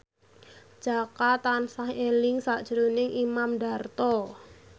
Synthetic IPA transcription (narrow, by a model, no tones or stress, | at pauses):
d͡ʒ̥akat̪ansaŋelɪŋsaʔd̥ʒ̥əɾonɪŋʔimamɖa̤rt̪ɔ